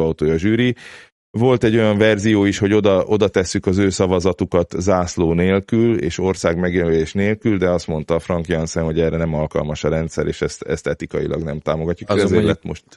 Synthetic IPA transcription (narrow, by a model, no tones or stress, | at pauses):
ɒut̪oːjɒʒyːɾi | vo̞lt̪ɛɟːo̞jɒɱvɛrzijoːiʃho̞ɟo̞d̪ɒʔo̞d̪ɒt̪ɛsːykɒzøːsɒvɒzɒt̪ukɒt̪zaːsloːneːlkylḛːʃo̞rsaːɡmɛɡjømøleːʃneːlkyld̪ɛɒst̪mo̞nt̪ɒfrɒŋkjɒnsɛmho̞ɟɛːrɛnɛmɒlkɒ̰lmɒʃɒɾɛnt̪sɛɾeːʃɛst̪ɛ̰st̪ɛt̪ikɒjḭlɒ̰ɡnɛmt̪aːmo̞ɡɒcːukɛzelɛt̪mo̰ʃt̪